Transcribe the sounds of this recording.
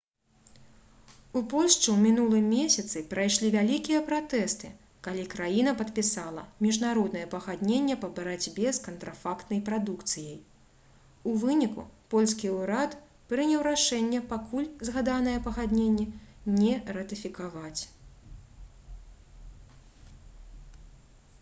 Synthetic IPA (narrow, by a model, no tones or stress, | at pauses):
upɔlʲʂt͡ʂɨwmʲinulˠɨmʲesʲɐt̪sɨpɾajʂlʲivʲalʲikʲijɐpɾat̪ɛst̪ɨ̰ | kalʲikɾajinɐpɐt̪pʲisalˠɐmʲiʐnaɾɔd̪nɐjɛpɐɣad̪nʲenʲːɛpɐbɐɾad͡zʲbʲɛskɐnt̪ɾafakt̪nɐjpɾad̪ukt̪sɨjɐj | uvɨnʲikṵpɔlʲskʲiuɾat̪ | pɾɨnʲɛwɾaʂɛnʲːɛpakulʲzɣad̪anɐjɐpɐɣad̪ʲnʲenʲːɛnʲɛɾɐt̪ɨfʲikavat͡sʲ